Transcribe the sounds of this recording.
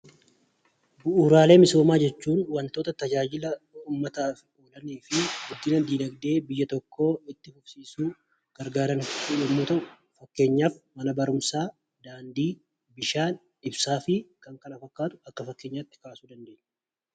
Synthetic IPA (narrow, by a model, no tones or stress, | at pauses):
bʊʔuːɾaːle̞ːmɪso̞ːmaːd͡ʒɛt͡ʃːuːnwɐnt̪o̞ːt̪ɐt̪ɐd͡ʒaːd͡ʒɪlɐuːmːɐt̪aːf | oːlɐniːfɪɡɔɡːɪnɐd̪iːlɐɡd̪e̞ːbɪjːɐt̪ɔkːo̞ːɪt̪ːɪhʊfsiːsuː | ɡ̥ɐɾɡaːɾɐnlɔmːuːt̪ɐ | fɐkːe̞ːɲːaːfmɐnɐbɐɾʊmsaː | d̪aːnd̪iː | bɪʃaːn | ɪbsaːfɪkɐŋkɐnɐfɐkːaːt̪ʊ̥ɐkːɐfɐkːe̞ːɲːaːt̪ːɪ̥kaːsuːd̪ɐnd̪e̞ːʔɲ̥ː